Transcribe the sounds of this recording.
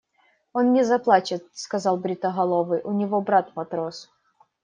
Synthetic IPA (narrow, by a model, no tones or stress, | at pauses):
onnʲɪzɐplˠat͡ɕɪt̪̚skɐzɑlˠbɾʲɪt̪əɦɐlˠovɨjʔʊnʲɪvobɾat̪mɐt̪ɾos